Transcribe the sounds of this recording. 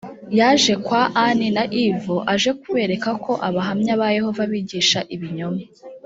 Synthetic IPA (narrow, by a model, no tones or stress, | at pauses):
jaʒe̞kwaʔaninaʔivoʔaʒe̞k̚uβe̞ːɾe̞kakʰo̞ʔaβaɦamɲaβaje̞ho̞vaβiːɟiːʃaʔiβiɲoma